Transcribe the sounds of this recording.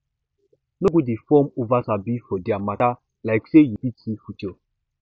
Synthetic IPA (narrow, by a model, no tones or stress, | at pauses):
noɡudifɔmovasabifɔdiamata | laɪksejupitʰifut͡ʃo